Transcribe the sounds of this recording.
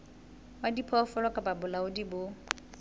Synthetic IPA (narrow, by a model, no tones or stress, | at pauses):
wadipʰɔfɔlɔkʼababʊlaʊdibʊ